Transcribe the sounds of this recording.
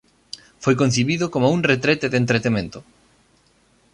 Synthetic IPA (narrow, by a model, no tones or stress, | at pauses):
fojkon̟θiβiðʊkomouŋret̪ɾɛt̪eðent̪ɾet̪emẽnt̪ʊ